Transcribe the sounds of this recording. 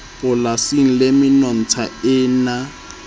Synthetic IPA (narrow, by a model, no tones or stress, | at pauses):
pʊlasiŋ̩lemɪnɔn̩t͡sʰaɪːna